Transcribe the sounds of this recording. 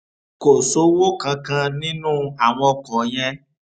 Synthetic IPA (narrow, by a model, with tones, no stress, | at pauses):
ko˨so˨˦wo˦kã˧kã˧nĩ˦nũ˦a˨w̃ɔ̃˧kɔ̃˨jɛ˦